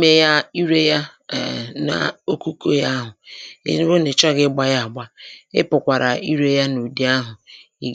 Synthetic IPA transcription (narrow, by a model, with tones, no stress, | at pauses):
me˦ja˦i˦ɾe˦ja̰˦˨ | na̰˨o˦ku˦ko˦ja˦ɦʊ˨ḛ˦ɾɾo˦ne˨t͡ʃa˦ɡɪ˦ɡ͡ba˦ja˦˨a˨ɡ͡ba˦ɪ̰˦pʊ˨kʷa˨ɾa˨i˦ɾe˦ja˦nu˨di˦a˦ɦʊ˨ | i˦ɡ